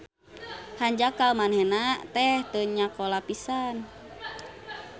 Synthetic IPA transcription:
haɲd͡ʒakalmanɦenat̪ɛht̪əɲakɔlapisan

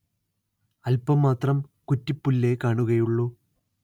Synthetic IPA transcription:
ɐlpɐmːaːt̪rɐmkutːipːulːekaːɳuɣɐjuɭːu

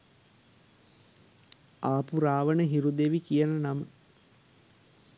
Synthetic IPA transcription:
aːpuɾaːʋənəɦiɾud̪eʋikijənənamə

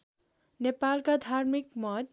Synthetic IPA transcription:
nepalkad̪ʱarmikmʌt

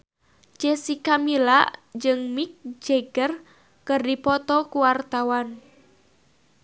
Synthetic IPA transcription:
d͡ʒɛsikamila̰d͡ʒɨŋmik̚d͡ʒɛɡər | kɨrdipɔt̪ɔkuwart̪awan

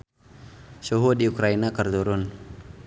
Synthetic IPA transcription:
suɦudiukɾainakərt̪uɾʊn

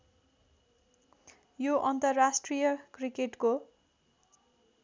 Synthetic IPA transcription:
joʔʌnt̪ʌrːasʈrijʌkrikeʈko

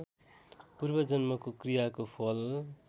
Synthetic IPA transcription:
purbʌd͡zʌnmʌkokrijakopʰʌl

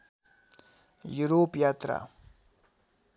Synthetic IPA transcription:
juɾopjat̪ɾa̰

